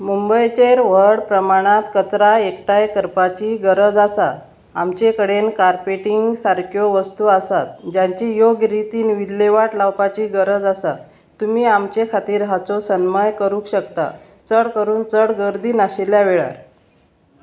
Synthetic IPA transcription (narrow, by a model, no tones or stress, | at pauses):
mumbəjt͡ɕeɾʋ̤əɽpɾəmaɽ̃at̪kət͡sɾaekʈajkəɾpat͡ɕiːɡəɾəd͡zasa | amt͡ɕekəɽenkaɾpeʈiŋɡsaɾkʰjoʋəst̪uːasat̪d͡ʑaɲt͡ɕijoɡɾit̪iːnʋilːeʋaʈlawpat͡ɕiːɡəɾəd͡zasa | t̪ːumiːamt͡ɕekʰat̪iːɾɦat͡sosənmajkəɾũːkɕəkt̪a̰ | t͡səɽkəɾuːnt͡səɽɡəɾd̪iːnaɕeljaʋeɭa̰ɾ